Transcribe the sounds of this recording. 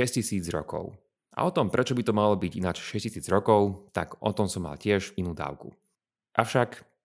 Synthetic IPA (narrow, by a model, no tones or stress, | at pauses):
ɛscisiːd͡zɾɔ̰kɔ̰ʊ | ʔa̰ɔt̪ɔmpɾʔɛt͡ʃɔbit̪ɔmalɔbiɟinat͡ʃʃɛscisiːd͡zɾɔkɔʊt̪a̰kɔ̰t̪ɔmsɔmːa̰lcɪɛʒinuːd̪a̰ːʊkṵ | ʔafʃak